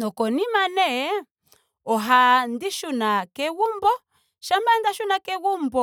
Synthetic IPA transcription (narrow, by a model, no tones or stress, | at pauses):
nɔkɔnimanɛ | ɔɦandiʃunakɛwumbɔ | ʃambandaʃunakɛwumbɔ